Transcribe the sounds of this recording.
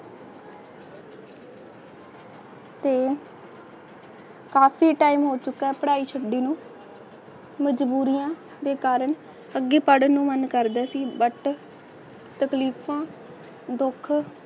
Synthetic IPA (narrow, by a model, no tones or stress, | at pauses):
t̪eː | kaːpʰiːʈaːiːmɦoːt͡ʃʊkːɛːpəɽaːiːt͡ʃʰəɖiːnũː | məd͡ʒbuːɾijãː | d̪eːkaːɾəɳ | əɡːiːpəɽnũːmənkəɾd̪ɛːsiːbəʈ | t̪əkliːpʰãː | d̪ʊkʰ